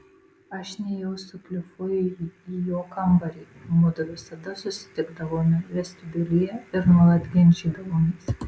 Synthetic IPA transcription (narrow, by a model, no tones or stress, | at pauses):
ɐʃnʲɛjɛʊsʊkʲlʲɪfʊijoːkɐmbɐɾʲiː | nuːd̪ɐʋʲɪsɐd̪ɐsʊsʲɪ̥t̪ʲɪɡd̪ɐʋoːmʲɪʋʲɛsʲt̪ʲʊb̪ʲɪlʲɪjɛɪɾnɔlˠɐd̪ʲɡʲɛnʲd͡ʒʲiːd̪ɐʋoːmʲes